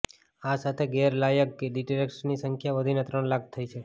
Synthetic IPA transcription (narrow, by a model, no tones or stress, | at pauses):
asat̪ʰeɡɛɾlajəkkeɖiʈɾeksnisəŋkʰjaʋəd̪ʱinet̪ɾəɳlak̚ʰt̪ʰəit͡ʃʰe